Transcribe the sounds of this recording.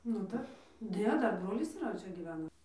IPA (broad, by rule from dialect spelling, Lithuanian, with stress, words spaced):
nʊ ˈdɐr ˈnʲɛ ˈdɐr ˈbroːlʲɪs iːˈrɐ ˈt͡ʃʲɛ ɡʲiːˈʋʲæːnɐ